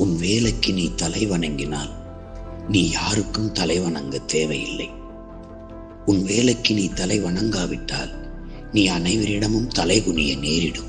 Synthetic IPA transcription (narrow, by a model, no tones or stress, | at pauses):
ʊnʋeːlɐkːɯniːt̪ɐlɐɪʋɐɳɐŋɡɪna̰ːl | niːjaːɾɯkːɯmt̪ɐlɐɪʋɐɳɐŋɡɐt̪eːʋɐjɪ̰lːɐ̰ɪ | ʊnʋeːlɐkːɯniːt̪ɐlɐɪʋɐɳɐŋɡaːʋɪʈːa̰ːl | niːɐnɐɪʋɐɾɪɽɐmɯmt̪ɐlɐɪɣʊɳɪjɐ̰neːɾɪɽɯm